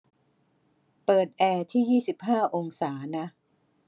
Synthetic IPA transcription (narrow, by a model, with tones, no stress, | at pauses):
pɤː˨˩t̪̚ʔɛː˧t̪ʰiː˥˩jiː˥˩si˨˩p̚ɦaː˥˩ʔo˧ŋsaː˩˦na˦˥